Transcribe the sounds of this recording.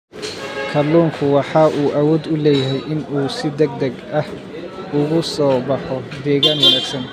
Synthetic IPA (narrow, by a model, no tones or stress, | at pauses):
kʰɐluːŋkʰʊwɑħɑːʔuːʔɐwɔːd̪ʊlɛːjɐɦɛjʔɪnuːsɪd̪ɐɡ̚d̪ɐɡɐh | ʊɣʊsɔːbɑħɔd̪ɛːɣaːnjɐlɛsɐn